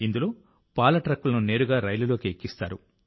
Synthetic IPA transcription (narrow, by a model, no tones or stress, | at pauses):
ind̪ulo̞ː | paːlɐʈɾɐkːulɐnune̞ːɾuɡaːɾɐjlulo̞ːkiekːist̪a̰ːɾu